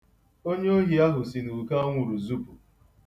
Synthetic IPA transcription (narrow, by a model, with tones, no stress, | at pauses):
o˦ɲe˦o˦ɦi˨a˦ɦʊ˨si˨nu˨ka˦ŋʷʊ˨ɾu˨zu˦pu˨